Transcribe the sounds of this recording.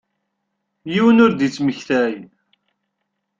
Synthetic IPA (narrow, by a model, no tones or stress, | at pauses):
jiwənʊɾd̪it͡sːməçθæj